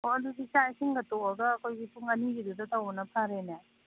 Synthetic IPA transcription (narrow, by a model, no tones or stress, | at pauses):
oɐduɡisajsiŋɡɐtoɐɡɐːkʰojɡipʰuŋɐniɡidudɐtɐwbɐnɐpʰaɾena